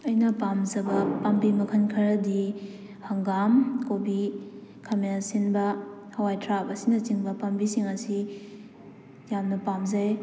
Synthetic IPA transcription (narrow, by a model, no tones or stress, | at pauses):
ɐjnɐpamzɐbɐpambimɐkʰɐnkʰɐɾɐdi | hɐŋɡamkobikʰɐminasinbɐhɐwajtʰɾapɐsinɐt͡ʃiŋbɐpɐmbisiŋɐsi | jamnɐpamzɐj